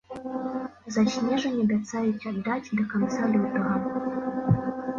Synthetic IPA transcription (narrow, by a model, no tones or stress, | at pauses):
zɐɕʲnʲɛʐɐnʲɛbʲat̪sajut͡sʲad̪ːatʲd̪ɐkant̪salɨwt̪ɐɣɐ